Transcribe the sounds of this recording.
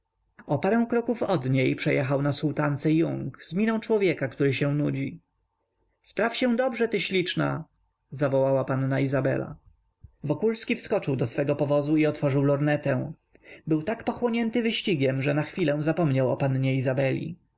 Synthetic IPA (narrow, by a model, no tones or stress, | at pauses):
ɔpaɾɛ̃w̃kɾɔkufɔd̪ɲejpʂɛjɛxawnasult̪ant̪sɛjuŋɡzmʲinɔ̃w̃t͡ʂwɔvʲjɛkakt̪uɾɘɕɛw̃nud͡ʑi | spɾafɕɛ̃d̪ɔbʐɛt̪ɘɕlʲit͡ʂna̰ | zavɔwawapanːaizabɛ̰la̰ | vɔkulskʲifskɔt͡ʂɘwd̪ɔsfɛɡɔpɔvɔzuiɔt̪fɔʐɘwlɔɾnɛt̪ɛ̃w̃ | bɘwt̪akpɔxwɔɲɛnt̪ɘvɘɕt͡ɕiɡʲɛmʐɛnaxfʲilɛ̃w̃zapɔmɲawɔpanɲɛizabɛlʲḭ